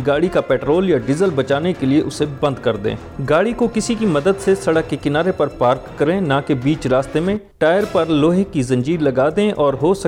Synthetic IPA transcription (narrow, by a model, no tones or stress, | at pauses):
ɡaːɽikapɛːʈɾoːljaɖɪzəlbɐt͡ʃaːnekelieʔʊsebɐ̃nd̪kɐɾd̪ḛ̃ː | ɡaːɽikokɪsikimɐd̪əd̪sesɐɽəkːekɪnaːɾepɐɾpaːɾkːɐɾẽnãkebiːt͡ʃɾaːst̪emẽʈaːɪəɾpɐɾloːɦekizɐ̃ɲd͡ʒiːɾlɐɡaːd̪ẽʔɔːɾɦosɐ